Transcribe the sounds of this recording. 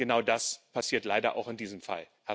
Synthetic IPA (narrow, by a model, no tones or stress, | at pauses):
ɡ̥ənaʊdaspʰasiːɐtlaɪɾɐ̰ʔa̰ʊxɪndiːzəmfa̰l | hɛ